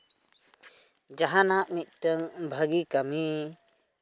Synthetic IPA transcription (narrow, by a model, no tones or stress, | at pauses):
d͡ʒaɦanaʔmit̪̚ˀʈəŋbʱaɡikami